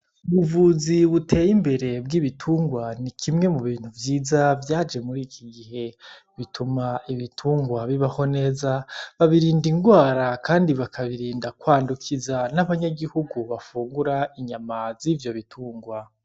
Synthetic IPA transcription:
uβuvuziβutʰe̞ːjimbe̞ɾe̞bɡiβitʰuːŋɡwanikʰimŋe̞muβiːn̥huvjiːzavjaːd͡ʒe̞muɾiːkʰiɡihe̞ | βitʰumaiβitʰuːŋɡwaβiβaho̞ne̞ːzaβaβiɾiːndiŋɡwaːɾakʰaːndiβakʰaβiɾiːndakwaːndukʰizanaβaɲaɡihuɡuβafuːŋɡuɾaiɲamazivjo̞βitʰuːŋɡwa

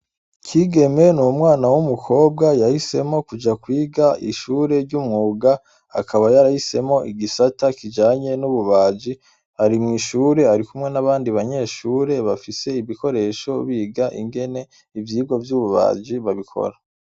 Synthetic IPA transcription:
kʰiːɡe̞me̞nuumŋaːnawumukʰo̞ːb̚ɡajahise̞mo̞kud͡ʒakwiːɡaiʃuːɾe̞ɾɟumŋuːɡa | a̰kʰaβajaɾahise̞mo̞ʔiɡisatakid͡ʒaːɲe̞nuβuβaːd͡ʒi | haɾimŋiːʃuːɾe̞aɾikumŋe̞naβaːndiβaɲe̞ːʃuːɾe̞βafise̞iβiko̞ɾe̞ːʃo̞βiːɡaʔḭŋɡe̞ne̞ | ivjiːɡo̞vjuːβuβa̰ːd͡ʒiβaβikʰo̰ɾa

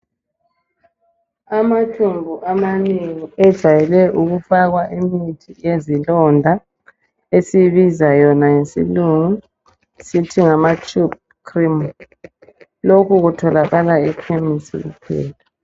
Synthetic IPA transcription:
amatʰumbʱuʔamaniŋiɛd̥ʒ̥ʱajɛlɛʔuɣufaɣwaʔimitʰiezilɔndʱa | esiβizajɔnajesḭluŋu | sitʰiŋamat͡ʃʼup̚ | kʰrim | lokʰuɣutʰɔlaɣalaikʰemisḭɣṵpʰɛ̰ːtʰḁ

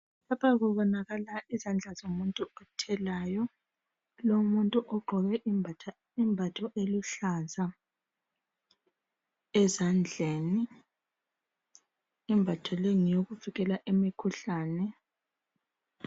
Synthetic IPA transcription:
lapʰaɣuβɔnaɣalaʔizand͡ɮʱazomuntʼuɔtʰɛlajɔ | lomuntʼuʔɔɡ͡ǃʱɔɣɛ | imbʱatʰɔʔeluɬaza | ɛzand͡ɮʱeːni | mbʱatʰɔleŋijoɣuviɣɛlaʔemikʰuɬaːnɛ

